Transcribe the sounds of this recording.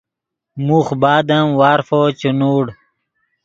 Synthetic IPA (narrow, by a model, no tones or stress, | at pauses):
muxbaːd̪ɐmwaːɾfot͡ɕunuːɽ